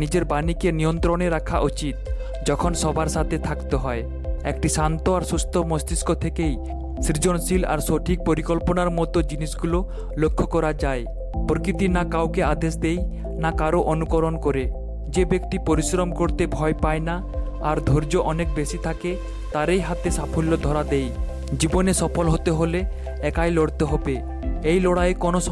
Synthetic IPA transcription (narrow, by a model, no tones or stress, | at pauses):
nid͡ʑeɾbanikenijont̪ɾoneɾakʰaʔut͡ɕit̪̚ | d͡ʑɔkʰonʃɔbaɾʃat̪ʰet̪ʰakt̪eɦɔe | ekʈiʃant̪oaɾsust̪ʰomost̪iskot̪ʰekej | sɾid͡ʑonsila̰ɾʃoʈʰik̚poɾikolponaɾmɔt̪od͡ʑiniʃɡulo | lokʰːokɔɾad͡ʑae | poɾkɾit̪inakawkead̪eʃ̬d̪ej | nakaɾoʔonukoɾonkoɾe | d͡ʑebekt̪ipoɾisɾɔmkoɾt̪ebʱɔepaenaː | ɾd̪ʱoɾd͡ʑoʔɔnek̚besit̪ʰake | t̪aɾejɦat̪esapʰolːod̪ʱɔɾad̪ej | d͡ʑibonesɔpʰolɦot̪eɦole | ɛkajloɽt̪eɦɔbe | ejloɽaekonos